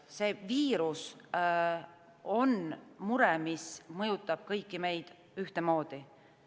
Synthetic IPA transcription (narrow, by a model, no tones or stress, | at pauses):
se̞ːviːɾus | o̞nmuɾɛmismɤjut̪ːˑɑb̥̚kɤjkːime̞jd̪̥ | yht̪emo̞ːd̪̥i